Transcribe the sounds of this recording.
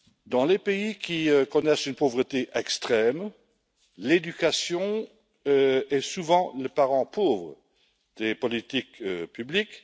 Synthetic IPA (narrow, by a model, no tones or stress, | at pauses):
d̪ɑ̃lepeikʲiøkɔnɛsynpovʁət̪eʔɛkst̪χɛm | led̪ykasjɔ̃ | ɛsuvɑ̃ləpaʁɑ̃pʰovʁə | d̪̥epɔlit̪ikøpyblik